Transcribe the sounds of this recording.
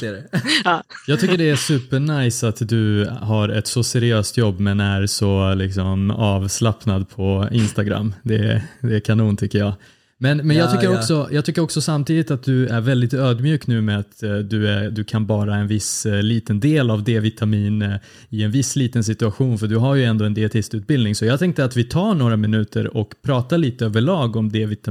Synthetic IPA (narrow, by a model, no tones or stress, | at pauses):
jɑːɡ̚t̪ʏkːəɖɛæʂʉ̟ːpːəɳajsat̪d̪ɵɦaɾɛt̪sɔsɛɾɪøːst̪jɔbːmɛnæɾsɔlɪksɔmɑːvslapnad̪̚pʰɔɪnst̪aɡɾa̰mːd̪ɛd̪ɛkʰanuːnt̪ʰʏkːəɾjɑː | mɛnmɛnjɑːɡt̪ʏkːəɾɔksɔjɑːt̪ʰʏkːəɾɔksɔsamt̪ʰiːd̪ɪt̪at̪̚d̪ɵæɾvɛld̪ɪt̪øːd̪mjʉ̟ːknʉ̟ːmɛat̪d̪ɵæd̪ɵkʰanbɑːɾaɛnvɪsliːt̪ənd̪eːlavd̪eːvɪt̪ʰamiːn | ɪɛnvɪsːliːt̪ənsɪt̪ɵaɧuːnfœɖɵɦaɾjɵɛnd̪oːɛnd̪ɪɛt̪ʰɪst̪ʉ̟ːt̪̚bɪld̪nɪŋsɔjɑːt̪ʰɛŋkt̪əɾat̪vɪt̪ʰɑːɳoːɾamɪnʉ̟ːt̪ə̰ɾɔkpʰɾɑːt̪aɭiːt̪əøːvəɭɑːɡɔmd̪eːvɪt̪a